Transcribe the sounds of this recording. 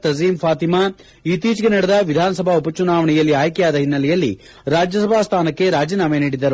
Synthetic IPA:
t̪ɐziːmpʰaːt̪ima | it̪iːt͡ʃɡenɐɽɐd̪ɐʋid̪ʱaːnɐsɐbʱaupɐt͡ʃunaːʋɐɳɛjɐlːiaːjkjaːd̪ɐɦinːɐlɛjɐlːḭ | ɾaːd͡ʒjɐsɐbʱaːst̪ʰaːnɐkːe̞ɾaːd͡ʒiːnaːmɐjniːɽid̪ɐɾu

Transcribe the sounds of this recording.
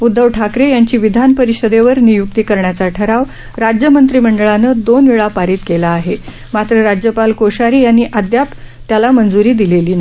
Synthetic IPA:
ud̪ːəʋʈʰakɾejaɲt͡ɕiːʋid̪ʱanpəɾiɕəd̪eʋəɾnijuk̚t̪iːkəɾɳjat͡saʈʰəɾaʋ | ɾad͡ʑjəmənt̪ɾiːm̤əɳɖəɭanəd̪onʋiɭapaɾiːt̪kelaːɦe | mat̪ɾəɾad͡ʑjəpalkoɕaɾiːjanːiːʔad̪jap | t̪jalamənd͡zuɾiːd̪ileliːna

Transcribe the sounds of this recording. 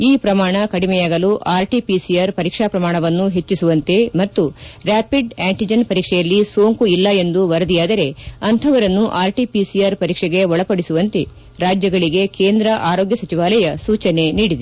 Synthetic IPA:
iːpɾɐmaːɳɐkɐɽimɛjaːɡɐluʔaːɾʈipisijaɾpɐɾiːkʂaːpɾɐmaːɳɐʋɐnːuɦe̞t͡ʃːisuʋɐnt̪e̞mɐt̪ːuɾaːpiɖaːɳʈid͡ʒɐnpɐɾiːkʂɛjɐlːisoːŋkuilːɐe̞nd̪uʋɐɾɐd̪ijaːd̪ɐɾe̞ɐnt̪ʰɐʋɐɾɐnːuʔaːɾʈipisijaːɾpɐɾiːkʂɛɡe̞ɦɔɭɐpɐɽisuʋɐnt̪e̞ | ɾaːd͡ʒjɐɡɐɭiɡe̞keːnd̪ɾɐʔaːɾoːɡjɐsɐt͡ʃiʋaːlɐjɐsuːt͡ʃɐne̞niːɽid̪e

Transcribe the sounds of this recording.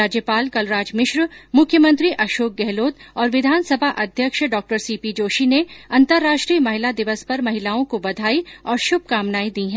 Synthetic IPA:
aːd͡ʒjəpaːlkɐlɾaːd͡ʒmɪʃɾmʊkʰːjəmɐ̃nt̪ɾiʔɐʃoːk̚ɡɛɦloːt̪ɔːɾʋɪd̪ʱaːnsɐbʱaʔɐd̪ʱjəkʃɖɔːk̚ʈəɾsiːpid͡ʒoːʃineɐ̃nt̪əɾːaːʃʈɾiːəmɐɦɪlad̪ɪʋəspɐɾmɐɦɪlaːõkobɐd̪ʱaːiɔːɾʃʊb̚ʱkaːmnaːid̪iːɦɛ̃

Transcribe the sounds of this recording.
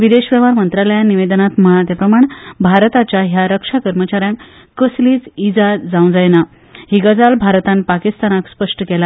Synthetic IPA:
ʋid̪eɕʋɛʋaɾmənt̪ɾaləjaniʋed̪ənat̪məɦat̪jəpɾəmaɳbʱaɾt̪at͡ɕjaɦjaɾəkʂakəɾmət͡ɕaɾjãŋk | kəsliːt͡sid͡zad͡zaw̃d͡zajna | hiɡəd͡zalbʱaɾt̪anpakist̪anakspəʂʈəkɛla

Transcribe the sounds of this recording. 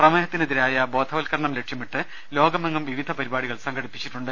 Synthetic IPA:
prɐmeːɦɐt̪ːineðiɾaːjɐbo̞ːd̪ʱʰɐʋɐlkɐɾɐɳɐmle̞kʂjɐmiʈːɨ | lo̞ːɡɐmɐŋːɐmʋiʋid̪ʱɐpɐɾibaːɽiɣɐɭsɐŋɡʱɐɽipːit͡ɕːiʈːuɳɖɨ

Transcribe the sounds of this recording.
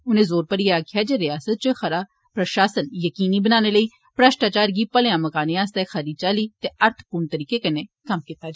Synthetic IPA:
ʊnẽːzoːɾpəɾijeaːkʰɪjaːd͡ʒeɾɪjaːsət̪̚t͡ʃoxɾ | pɾɐʃaːsənjəkiːnibənaːneləiː | pɾəʃʈaːt͡ʃaːɾɡiːpəlẽjãmɐkaːneaːst̪exəɾiːt͡ʃaːliːt̪eɐɾt̪ʰpuɾɳt̪əɾiːkekɐnekɐmkiːt̪ad͡ʒa

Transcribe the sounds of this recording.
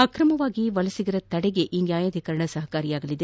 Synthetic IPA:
ɐkɾɐmɐʋaːɡiʋɐlɐsiɡiɾɐt̪ɐɽɛɡe̞ʔinjaːjaːd̪ʱikɐɾɐɳɐsɐɦɐkaːɾijaːɡɐlid̪e

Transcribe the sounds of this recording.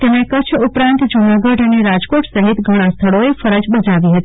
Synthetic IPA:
t̪emẽkət͡ʃʰupɾãnt̪d͡ʒunaɡəɖəneɾad͡ʒkoʈsəɦit̪ɡʱəɽ̃ãst̪ʰəɭoefəɾəd͡ʒbəd͡ʒaʋiɦət̪i̥

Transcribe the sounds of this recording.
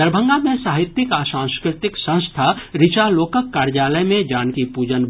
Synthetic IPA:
əɾbʱə̃ŋɡamẽsaːɦɪt̪ːɪkaːsãːskɾɪt̪ɪksə̃w̃st̪ʰaɾɪt͡ʃaloːkəkːaːɾd͡ʒaːləjmẽd͡ʒaːnkipuːd͡ʒən

